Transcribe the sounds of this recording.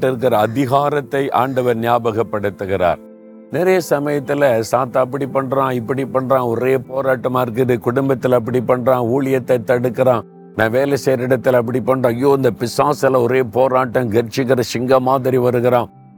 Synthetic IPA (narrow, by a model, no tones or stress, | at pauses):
ʈːɪɾɯk̬ːɪɾɐːðɪɣaːɾɐt̪ːɐɪʔa̰ːɳɖɐʋɐɾnɪjaːbɐɣɐpːɐɽɯt̪ːɯɣɪɾa̰ːɾ | nɛɾɐjɐsɐmɐjɐt̪ːɪlɐsaːt̪aːɐp̬ːɐɽipːɐɳɾãːɪpːɐɽipɐɳɾãːɔɾeːpoːɾaːʈːɐmaːɪɾɯk̬ːɐðɯkʊɽʊmbɐt̪ːɪlɐp̬ːɐɽipːɐɳɾãːuːɭɪjɐt̪ːɐɪt̪ːɐɽɯkːɐɾãː | nãːʋeːlɐseːɾɪɽɐt̪ːɪlɐp̬ːɐɽipɐɳrãːɪjoːɪnd̪ɐpɪsaːsɐlɐɔɾeːpoːɾaːʈːɐmɡɛɾt͡ʃːɯɣɪɾɐsɪŋɡɐmaːðɪɾiʋɐɾɯɣɪɾãː